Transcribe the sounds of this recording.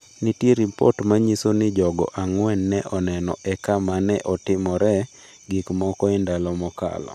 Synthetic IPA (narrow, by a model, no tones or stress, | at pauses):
nitjeɾipɔ̰tmaɲisonɪd͡ʒɔɡɔ̰ʔaŋwɛnːɛʔɔnɛnɔ̰ʔɛkamanɛʔɔtɪmɔɾɛ | ɡɪkmɔkɔɪndalɔmɔka̰lɔ̰